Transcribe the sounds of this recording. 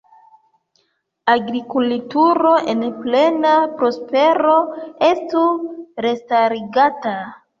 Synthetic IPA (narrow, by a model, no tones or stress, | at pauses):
aɡɾikultuɾo̞ʔe̞nple̞napɾo̞spe̞ɾo̞e̞stuɾe̞staɾiɡata